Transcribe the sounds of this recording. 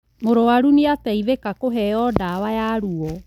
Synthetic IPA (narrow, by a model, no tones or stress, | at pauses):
moɾowaɾuneataivekakoɦɛɔdawajaɾuɔ